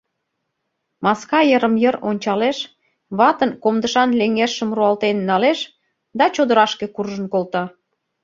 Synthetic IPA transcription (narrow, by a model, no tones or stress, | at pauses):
mɑskɑjəɾəmjəɾonʲt͡ɕɑleʃ | βɑt̪ənkomd̪əʃɑnleŋeʃə̆mruɑlt̪enːɑleʃ | d̪ɑt͡ɕod̪əɾɑʃkekurʒənkolt̪ɑ